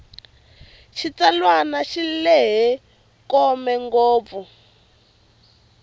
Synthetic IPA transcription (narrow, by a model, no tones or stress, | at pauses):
ʃit͡salwanaʃilɛɦi | kɔmɛŋɡoːp̪fu